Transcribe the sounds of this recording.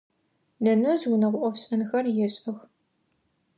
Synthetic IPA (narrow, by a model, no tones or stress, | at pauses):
dɐnɐzwʊnɐʁʷʊʔʷɔfɕʼɐnxɐrjɛɕʼɐx